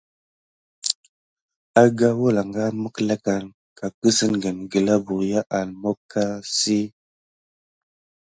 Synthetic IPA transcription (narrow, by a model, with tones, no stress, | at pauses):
a˦ɡa˦wo˦la˨ŋɡa˦mə˦kla˦ka˨ŋ | ka˨kə˦sə˦nɡə˨nɡə˨la˦bu˨ɾja˦ʔa˨lmo˦kːa˦si˦